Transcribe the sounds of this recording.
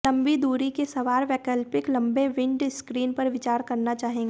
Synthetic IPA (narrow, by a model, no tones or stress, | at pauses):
lɐ̃mbid̪uːɾikesɐʋaːɾʋɛːkəlpɪklɐ̃mbeʋɪ̃ɳɖskɾiːnpɐɾʋɪt͡ʃaːɾkɐɾnat͡ʃaːɦẽːŋɡeː